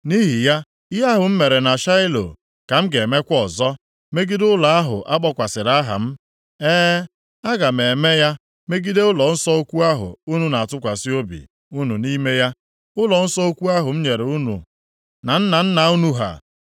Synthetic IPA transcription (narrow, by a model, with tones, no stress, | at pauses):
ni˦ɦi˨ja˦ | a˦ɦʊ˨m̩˦me˨ɾe˨na˨ʃa˦ɪ˦lo̰˨ | ka˨m̩˦ɡe˨me˦kʷɔ˨zɔ˦ | me˦ɡi˦dʊ˦la˨a˦ɦʊ̰˨ʔa˦k͡pɔ˦kʷa˨sɪ˨ɾa˦ɦa̰˨m̩˦ | eː˦ | a˦ɡa˨m̩˨e˨me˦ja˦ | me˦ɡi˦de˦ʊ˦lɔ˨n̩˦sɔ˦o˦kʷu˦a˦ɦʊ̰˨u˦nu˦na˨a˨tʊ˦kʷa˨si˦o˦bḭ˨ | u˦nu˨ni˦me˦ja˦ | ʊ˦lɔ˨n̩˦sɔ˦o˦kʷu˦a˦ɦʊ˨m̩˦ɲe˨ɾe˨u˦nṵ˨ | na˨n̩˦na˨n̩˦na˨u˦nu˦ɦa̰˨